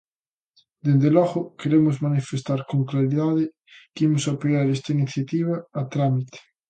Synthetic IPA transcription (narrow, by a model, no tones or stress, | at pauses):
d̪end̪elɔɣokeɾemozmanifest̪aɾkoŋklaɾiðaðe | kimosapojaɾest̪ainiθjat̪iβ̞aːt̪ɾamit̪e̥